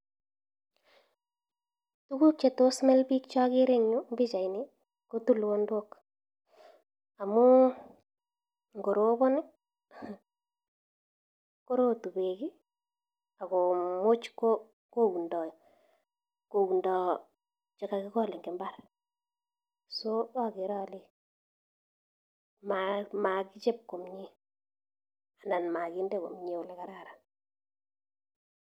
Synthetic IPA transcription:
tu˦ku˦k̚t͡ʃe˨to˦smɛ˦lbi˦kt͡ʃɔ˦kɪ˦ɾe˦ŋɲʊ˦mbɪ˦t͡ʃa˨inɪ˦ | ko˦tu˦lwo˦ndwo˦k | a˨mʊ˦ | ŋɡo˨ɾo˦bɔ˦nɪ˦ | ko˦ɾo˦tu˨be˨kɪ˦ | a˨ko˨mo˦t͡ʃko˦ | ko˦u˨ndɔ˨ | ko˨u˨ndɔ˨ | t͡ʃɛ˦ka˨kɪ˦kɔ˦˨lɪ˨ŋɡɪ˨mba˦r | so˦a˨kɪ˨ɾɔ˦li˦ | mama˨kɪ˦t͡ʃɛ˦p̚ko˨mɲi˦ | a˨na˨nma˨ki˦ndɛ˦ko̰˨mɲi˦ʊ˨lɛ˨ka˨ɾa˦˨ɾa˨n

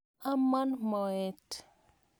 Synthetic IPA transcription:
a˦ma˦nmɔ˨ɛ˨t

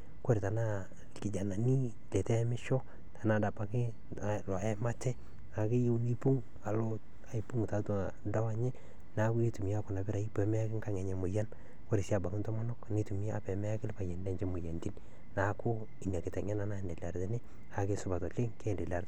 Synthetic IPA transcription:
ko˦ɾi˨ta˨na˦ | kɪ˨d͡ʒa˨na˨ni˦ | lɛ˨tɛ˦mɪ˦ʃɔ˦ | tʰa˨na˦da˨pa˨kɪ˦˨ | lɔ˨ɛ˦ma˦tɛ˦ | a˨ki˦ji˦wni˦pu˦ŋ | a˨lo˦ | a˨i˨pu˦ŋ˨ta˨˦tu˨ | da˦wa˦ɲɛ˦ | na˦kʊ˦i˦tu˨mi˦a˦kʊ˨na˨bɪ˦ɾa˨i˦pɛ˨mɛ˦a˦kɪ˦ŋka˦ŋe˨ɲɛ˨mʊ˨ja˦n | ko˦ɾi˨si˦a˨ba˨kɪ˦ntɔ˦ma˦nɔ˦kni˦tu˨m˦a˦pɛ˨mɛ˦a˦kɪ˦lpa˨jɛ˨nde˦nt͡ʃɛ˦mu˨ja˨ndi˦n | na˨˦kʊ˦ | i˨ɲa˨kɪ˨tɛ˨ŋɛ˦na˨na˦˨ndɛ˨la˨ɾdɪ˦nɪ˦ | a˨kɪ˦sʊ˦ba˨tɔ˨t͡ʃɪ˦ŋke˦ndɛ˨la˨ɾt

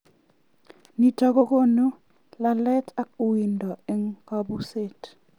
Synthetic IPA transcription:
ni˨tɔ˨ko˦ko˦nu˦ | la˨lɛ˦ta˨k̚u˨wi˨ndɔ˨ɛ˨ŋka˦bu˦se˦t

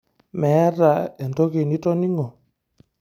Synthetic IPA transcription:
mɛ˨˦ɾa˨ɛ˨ndɔ˦ke˨ni˦tɔ˦ni˦ŋɔ˨

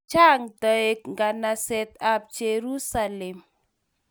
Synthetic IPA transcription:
t͡ʃa˦ŋd̪ə˨e˨k̚ŋɡa˨na˨sɛ˨t̪a˨p̚d͡ʒe˨ɾu˦sa˨lɛ˨m

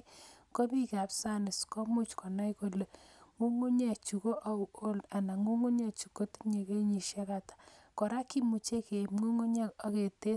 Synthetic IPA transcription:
ko˦pi˦ka˨psa˦nɪ˨skɔ˦mu˦t͡ʃkɔ˨na˦jko˨le˨ŋu˦ŋo˦ɲɛ˨t͡ʃu˨ko˦ʔa˨o˦la˨na˨ŋu˦ŋo˦ɲa˦t͡ʃu˨ko˦tɲe˨ke˦ɲi˨ʃe˦ka˨tḁ˨kɔ˨ɾa˦ki˦mu˨t͡ʃe˦ke˨mŋu˦ŋo˦ɲa˦a˦ke˨te˦

